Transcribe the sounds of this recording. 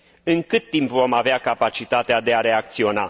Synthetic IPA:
ɨŋkɨt̪ːimpvo̞maveakapat͡ʃit̪at̪ead̪e̞aɾe̞ak̚t̪sio̞na̰

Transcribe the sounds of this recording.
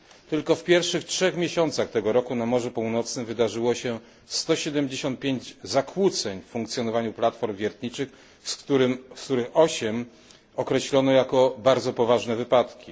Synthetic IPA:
t̪ɘlkɔfpʲjɛɾfʂɘxtʂɛxmʲjeɕɔnt̪saxt̪ɛɡɔɾɔkunamɔʐupuwnɔt̪snɘmvɘd̪aʐɘwɔɕɛ | st̪ɔɕɛd̪ɛmd͡ʑeɕɔnt̪̚pʲjeɲd͡ʑzakʰwut̪sɛɲffuŋkt̪sʲjɔnɔvaɲuplat̪fɔɾmvʲjɛɾt̪ɲit͡ʂɘx | st̪uɾɘmst̪uɾɘxɔɕɛm | ɔkɾɛɕlɔnɔjakɔbaɾd̪zɔpɔvaʐnɛvɘpat̪kʲi

